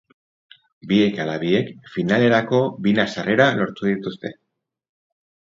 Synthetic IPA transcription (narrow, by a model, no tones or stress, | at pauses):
bie̞kalaβie̞kfinale̞ɾako̞βinasarʔe̞ɾalo̞ɾt̪uðit̪ust̪e̞